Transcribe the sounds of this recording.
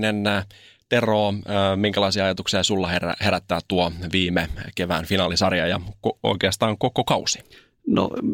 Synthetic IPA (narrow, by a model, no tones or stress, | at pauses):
nent̪e̞roːmiŋkælɑisiɑɑjɑt̪uksiɑsulːɑhḛhe̞ɾæt̪ːæːt̪tuoʋiːmekeʋæ̰ːnfinɑːlisɑrjɑ̰jɑ̰koo̰ik̟eɑst̪ɑːŋko̞kokɑusi̥ | no̰